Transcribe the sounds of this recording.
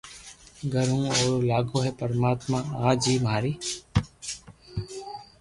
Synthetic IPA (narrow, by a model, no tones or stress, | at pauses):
ɡʱəɾũːoːɾlaːɡoːɦɛːpəɾmaːt̪mãːaːd͡ʒiːmɦaːɾiː